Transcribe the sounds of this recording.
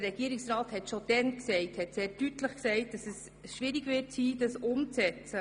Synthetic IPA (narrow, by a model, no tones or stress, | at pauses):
əɾɛɡiəɾɪksɾaːthɛtʃod̥ɛnksɛɪthɛtseːɾdytləχksɛɪt̚d̥ɑsɛs | ʃʋɪɾiɡʋɪɾtsiːd̥ɑsʊmt͡sɛt͡sə